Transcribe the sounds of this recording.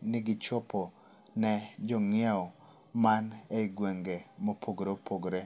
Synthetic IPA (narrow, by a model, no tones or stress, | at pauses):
nɪɡɪt͡ʃɔpɔ | nɛd͡ʒɔŋɪjaɔ | maneɪɡweŋɡemopʰoɡɾepʰoɡɾe